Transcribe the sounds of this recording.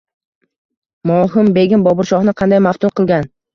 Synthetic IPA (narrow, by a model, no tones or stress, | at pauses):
mɒɦɪmbe̞ɡʲɪnbɒbʊɾʃɒhnɪqʰɑnd̪ajmaft̪ʰʊmqɨlˠɡʲan